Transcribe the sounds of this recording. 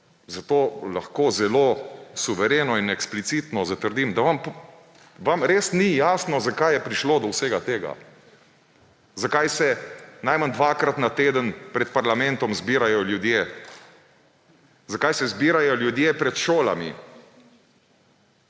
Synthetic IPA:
zat̪oːlaxkoːzɛloːsuʋɛɾeːnɔinɛksplit̪sit̪nɔzat̪əɾd̪imd̪aʋamp | ʋamɾeːsnijaːsnɔzakajɛpɾiʃloːd̪ɔwseːɡat̪eːɡa̰ | zakajsɛnajmand̪ʋaːkɾat̪nat̪eːd̪ənpɾɛt̪̚paɾlamɛ̃nt̪ɔmzbiːɾajɔljud̪jeː | zakajsɛzbiːɾajɔljud̪jeːpɾɛt̪ʃoːla̰mḭ

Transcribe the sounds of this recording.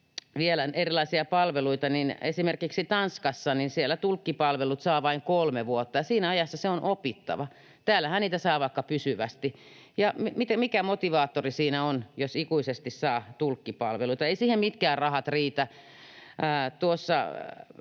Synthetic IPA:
ʋielænerilɑisiɑpɑlʋeluit̪ɑninesimerkiksit̪ɑnskɑsːɑninsielːæt̪ulkːipɑlʋelut̪sɑːʋɑiŋkolmeʋuot̪ːɑjɑsiːnæɑjɑsːɑseonʔopit̪ːɑ̰ʋɑ | t̪æːlːæhænniːt̪æsɑːʋɑikːɑpysyʋæst̪i | jɑmmit̪æmikæmot̪iʋɑːt̪ːorisiːnæonjosikuisest̪issɑːt̪ulkːipɑ̰lʋeluit̪ɑeisiːhemmit̪kæːrrɑhɑt̪riːt̪æ | æːt̪uosːɑ̰

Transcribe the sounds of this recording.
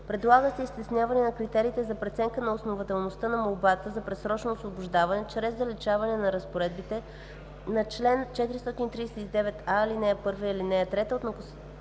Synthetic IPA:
pɾɛd̪lˠaɡəsɛist̪ɛsnʲjavɐnɛnɐkɾit̪ɛɾiːt̪ɛzɐpɾɛt̪sɛŋkənɐosnovɐt̪ɛlˠnost̪ənɐmolˠbat̪əzɐpɾɛsɾɔt͡ʃnoːsvobʊʒd̪avɐnɛt͡ʃɾɛzd̪ɐlit͡ʃavɐnɛnɐɾɐspoɾɛd̪̚bit̪ɛ | nɐt͡ʃlɛnt͡ʃɛt̪iɾist̪ɔt̪init̪ɾiːsɛt̪id̪ɛvɛt̪ailinɛɛpɤɾviilinɛɛt̪ɾɛt̪əot̪nɐkos

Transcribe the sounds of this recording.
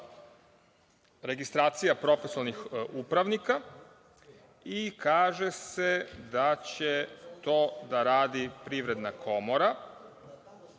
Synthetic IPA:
ɾe̞ɡist̪ɾaːt̪sijapɾo̞fisanixupɾaʋnika | ikaːʒe̞se̞d̪at͡ɕet̪o̞ːd̪aɾaːd̪ipɾiʋɾe̞d̪nakʰo̞mo̞ɾa

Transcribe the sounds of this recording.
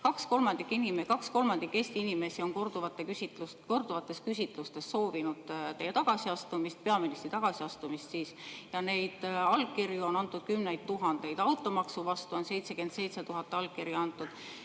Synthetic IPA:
kɑksko̞lmɑnd̪ikːˑinimekɑksko̞lmɑnd̪̥ikːeːsʲt̪iinime̞sio̞nkord̪uvɑt̪ːˑeysit̪u | ko̞rd̪uvɑt̪ːˑe̞skysʲit̪ˑlust̪e̞sːo̞ːvinud̪̥t̪e̞jet̪ɑɡ̥ɑsiɑst̪umist̪̚pe̞ɑminist̪rit̪ɑɡ̥ɑsiɑst̪umist̪siːsjɑne̞jd̪̥ɑlkkːiɾjuo̞nɑnt̪ːˑud̪̥̚kymne̞jd̪̚t̪ːuɦɑnd̪̥e̞jd̪̥ɑwt̪ːˑo̞mɑksuvɑst̪uo̞nse̞jt̪se̞ke̞nd̪̥se̞jt̪se̞t̪uɦɑt̪ːˑeɑlkkiɾjiɑnt̪ːˑud̪̥

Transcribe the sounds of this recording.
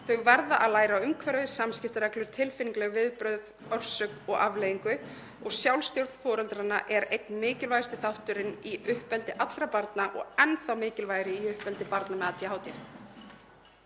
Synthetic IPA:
θœɣvaɾðaʔaðlaːjɾaʏmkʰvɛɾvɪsamscɪft̪ʏɾɛklʏɾ̥t̪ʰɪlfɪniŋklɛɣvɪðpɾœɥð | œr̥sœkɔɣa̰vleːjiŋkʏ | ɔɣsjawlst̪jowɾt̪n̥fɔːɾɛlt̪ɾanːaʔɛɾejt̪nmɪːcɪlvajst̪ɪθawht̪ʏɾɪniʔʏhpɛlt̪ɪʔat̪lɾapaɾt̪naʔɔ̰ɣɛnθawmɪːcɪlvajɾɪiʏhpɛlt̪ɪpaɾt̪namɛðat̪ʰjaɦaːwt̪ɪ

